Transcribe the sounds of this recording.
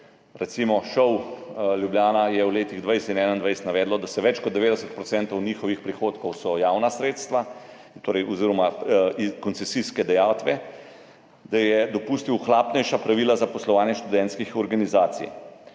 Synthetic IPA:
ɾɛt̪simɔʃɔwljubljaːnajɛwleːt̪iɣd̪ʋajsɛinɛːnaind̪ʋajst̪naʋɛːd̪lɔd̪asɛʋɛt͡ʃkɔd̪d̪ɛʋeːd̪ɛsət̪̚pɾɔt̪sɛːnt̪ɔwniːxɔʋixpɾixoːt̪kɔwsɔjaːwnasɾeːt̪st̪ʋa | t̪oːɾɛjʔɔziɾɔma | kɔnsɛsiskɛd̪ɛjaːwt̪ʋɛ | d̪ajɛd̪ɔpuːst̪iwxlapnɛjʃapɾaʋilazapɔslɔʋaːnjɛʃt̪ud̪ɛnt̪skixɔɾɡanizaːt̪sḭj

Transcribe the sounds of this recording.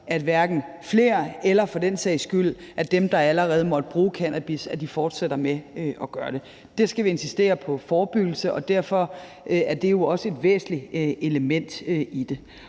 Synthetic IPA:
æd̥ʋæɐɡ̥n̩ | fle̝ːɐelɐfɒ̽d̥ensɛ̰ɪsɡ̥yl̰̩ʔæd̥emd̥ɑ̈æləʁɛːð̞̩ˠmɒ̽d̥əb̥ʁuːkʰænʔæb̥isæd̥ifɒːd̥seɾ̥ɐmeøʔɒ̽ɡ̥ɶɐɾ̥e̝ | d̥e̝sɡ̥æʋie̝nsisd̥e̝̰ːɐpʰɒ̽fɒːb̥yɡ̥l̩səʔɒ̽d̥æɐ̰fɒ̽ | ʔæɐd̥e̝jo̝ɒ̽səe̝d̥ʋḛːsn̩lieləmen̰d̥id̥e̝

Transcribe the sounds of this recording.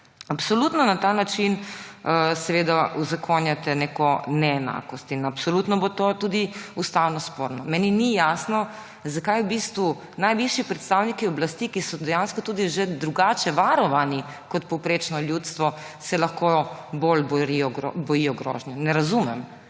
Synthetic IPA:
apsɔlut̪nɔnat̪anat͡ʃin | sɛʋeːd̪aʔuzakʰonjat̪ɛnɛkɔnɛɛna̰kɔst̪inapsɔlut̪nɔbot̪ot̪ud̪iust̪awnɔspoɾnɔmɛːninijasnɔ | zakajwbist̪ʋu | najʋiʃjipɾɛt̪st̪awnikiɔblast̪ikisɔd̪ɛjanskɔt̪uːd̪iʒed̪ɾuɡaːt͡ʃɛʋaɾɔʋani | kɔt̪̚pɔwpɾet͡ʃnɔljut̪st̪ʋɔ | sɛlaxkobolbɔɾiɔɡ̰bɔjiɔɡɾɔ̰ːʒnjunɛɾazumɛm

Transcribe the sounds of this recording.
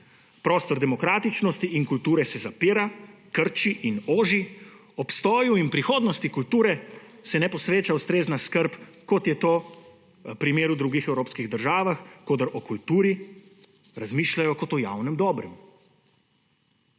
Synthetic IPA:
pɾɔːst̪ɔɾd̪ɛmɔkɾaːt̪it͡ʃnɔst̪iʔinkult̪uːɾɛsɛzapiːɾakəɾt͡ʃiʔinoːʒi | ɔpst̪ɔːjuinpɾixoːd̪nɔst̪ikult̪uːɾɛ | sɛnɛpɔsʋeːt͡ʃaust̪ɾeːznaskəɾp | kɔt̪jɛt̪oː | pɾimeːɾud̪ɾuɡixɛwɾoːpskiɣd̪əɾʒaːʋaxkoːd̪aɾʔɔkult̪uːɾi | ɾazmiːʃlajɔkɔt̪ɔja̰wnɛmd̪ɔːbɾɛm

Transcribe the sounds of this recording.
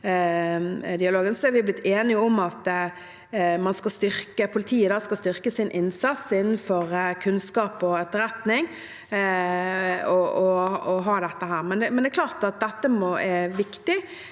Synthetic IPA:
d̪ɪɑloːɡənsɔɛɾʋɪblɪt̪ʰːeːnɪəɔmɑt̪ | mɑnskɑlst̪ʏɾkəpʰʊlɪt̪ʰiːəd̪ɑːskɑlst̪ʏɾkəsɪnʔɪnsɑt̪sɪnːnfɔɾkʰʉnskɑːpɔɛt̪ːəɾɛt̪nɪŋ | ɔɔɔɦɑːd̪ɛt̪ːəɦæːɾʁmɛnd̪ɛmɛnd̪ɛkʰlɑːʁt̪ɑt̪̚d̪ɛt̪ːəmɔɛʋɪkt̪ɪ

